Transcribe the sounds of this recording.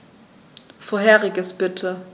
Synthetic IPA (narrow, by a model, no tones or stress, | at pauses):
foːɐɦɛːʁɪɡəsb̥ɪtʰə